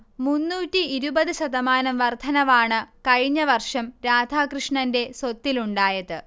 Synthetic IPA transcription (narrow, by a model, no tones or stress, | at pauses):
munːuːtːiiɾubɐðɨɕɐðɐmaːnɐmʋɐrd̪ʱɐnɐʋaːɳɨkɐɻiɲːɐʋɐrʂɐmɾaːd̪ʱaːkrɨʂɳɐnde̞sot̪ːiluɳɖaːjɐðɨ